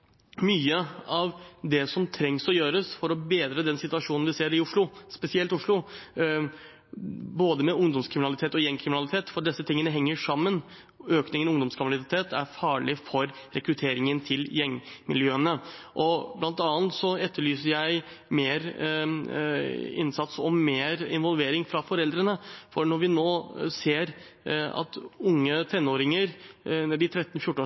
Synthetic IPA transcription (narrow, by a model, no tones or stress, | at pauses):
myːəɑʋd̪ɛsɔmt̪ʰɾɛŋsɔjøːɾəsfɔɾɔbeːd̪ɾəd̪ɛnsɪt̪ʉʋɑʂuːnnʋɪseːɾɪʊʂɭʊspɛsɪɛlt̪ʊʂɭʊ | boːd̪əmɛʊŋd̪ɔmskʰɾɪmɪnɑlɪt̪ʰeːt̪ɔjɛŋːkʰɾɪmɪnɑlɪt̪ʰeːt̪fɔɖɛsːət̪ʰɪŋːənəɦɛŋːəʂɑmːən | øːknɪŋənɔʊŋd̪ɔmskʰɑʋɑlɪt̪ʰeːt̪ʰæ̰ɾfɑːɭɪfɔɾɾɛkɾʉt̪ʰeːɾɪŋənt̪ʰɪljɛŋmɪ̰ljøːənəʔɔblɑnt̪ɑːnt̪sɔɛt̪ːəɭyːsəɾjæɪ | meːɾ | ɪ̰nsɑt̪sɔmːeːɾɪ̰nʋɔlʋeːɾɪŋfɾɑfɔɾɛld̪ɾənəfɔɾɳɔɾʋɪnoːseːɾɑ̰t̪ʊŋːət̪ʰɛnːoːɾɪŋəɾnɛɖɪt̪ʰɾɛt̪ːnfjʊʈ̩ː